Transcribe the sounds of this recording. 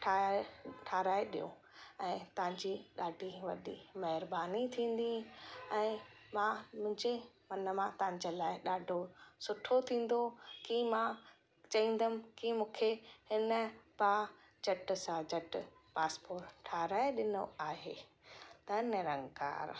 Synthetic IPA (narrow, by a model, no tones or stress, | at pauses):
ʈʰaʈʰaːɾaːeɗijo̰ | ɛ̃ːt̪ɐʋ̤ɪ̃ɲd͡ʑiɗaːɖʱiʋɐ̰ɗimɐɦɪɾbaːnit̪ʰĩːn̆d̪iɛ̃ːmãmʊ̃ɦɪ̃ɲd͡ʑe | mɐnəmãt̪ɐʋ̤ɪ̃ɲ̆d͡ʑelaːɪɗaːɖʱosʊʈʰot̪ʰĩːn̆d̪okimã | t͡ɕɐĩːn̆d̪əm̆kimũːkʰehɪnə̆pa | d͡ʑɐʈsãd͡ʑɐʈʊpaːspoːʈʈʰːaːɾaːeɗɪnoaːɦeː | t̪ɐneɾɐ̃ŋɡka̰ːɾ